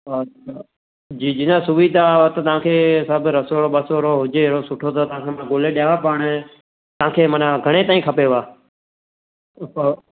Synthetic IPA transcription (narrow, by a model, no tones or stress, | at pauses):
d͡ʒiːd͡ʒɪnãːsʊʋiːd̪ʱat̪ət̪əãːkʰeːsəbɾəsoːɾoːɓəsoːɾoːɦʊd͡ʒeːɾoːsʊʈʰoːt̪ət̪ãːkʰeːm̃ːɡoːleːɗjaːʋaːpəːɳ | t̪əãːkʰeːmənaːɡʱəɽ̃eːt̪aːĩːkʰəpeːʋaː